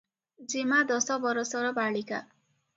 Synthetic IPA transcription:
d͡zimad̪ʌsʌbʌɾʌsʌɾʌbaɭika̰

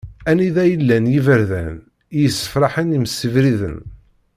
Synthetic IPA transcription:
æniðæjəlːænjivəɾðæ̰n | jəsːə̥fɾˤɑħəniməsːəvɾiðə̰n

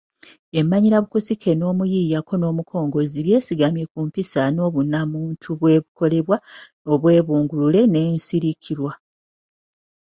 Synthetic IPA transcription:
e̞mːaɲiɾaβukusikʰe̞no̞ːmujijakʰo̞no̞ːmukʰo̞ːŋɡo̞ziβje̞ːsiɡamje̞kuːmpisano̞ːβunamuːntʰuβwe̞ːβuko̞le̞βwa | o̞βwe̞ːβuːŋɡulule̞ne̞ːnsiɾicʰiɾwa

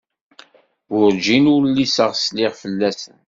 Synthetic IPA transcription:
wʊɾd͡ʒinʊɾlːisəʁslɪʁfəlːæsən

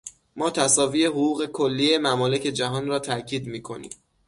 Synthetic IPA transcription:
mɒːt̪ʰæsɒːviːe̞ɦoɣuːɣe̞kʰolːiːje̞mæmɒːle̞ce̞d͡ʒæɦɒːnrɒːt̪ʰæcʰiːd̪miːkʰo̞nḭːm

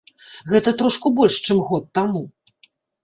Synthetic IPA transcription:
ɣɛt̪ɐt̪ɾɔʂkubɔlʲʂt͡ʂɨmɣɔt̪ːamu

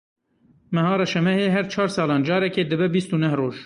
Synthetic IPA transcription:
mɛɦɑːɾɑʃɛmɛheːɦɛɾt͡ʃʰɑːɾsɑːlɑːnd͡ʒɑːɾɛkeːd̪ɨbɛbist̪unɛhroːʒ

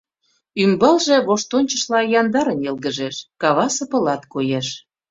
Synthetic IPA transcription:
ymbɑlʒĕβoʃt̪onʲt͡ɕəʃlɑjɑnd̪ɑɾənelˠɣə̆ʒeʃkɑβɑsə̆pə̆lɑt̪kojeʃ

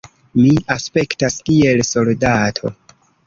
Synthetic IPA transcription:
miaspe̞ktaskie̞lso̞ldatʰo̞̰

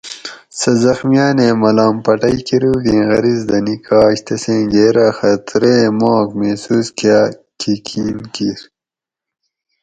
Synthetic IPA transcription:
sɐzɐxmijaːneːmɐlaːmpɐʈɐjkiɾuːɡ̪ẽːɣɐɾizd̪ɐnikaːɕt̪ʰɐsẽːɡeːɾaːxɐt̪ɾeːmɑːkmeːsuːskjakʰikʰiːnkiɾ

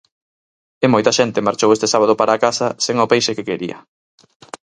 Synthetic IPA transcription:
ɪmojt̪ɐʃɛnt̪ɪmaɾt͡ʃowest̪esaβ̞að̞ʊpaɾaːkasɐseŋopejʃekekeɾiɐ̰

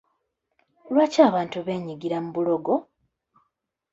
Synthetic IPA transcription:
lwaːcaːβaːntuβe̞ːɲiɡiɾamuβulo̞ɡo

